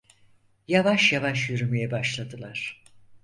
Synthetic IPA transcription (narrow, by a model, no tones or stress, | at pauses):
javaʃjavaʃjyɾymijɛbaʃlˠad̪ɯlˠaɾ̥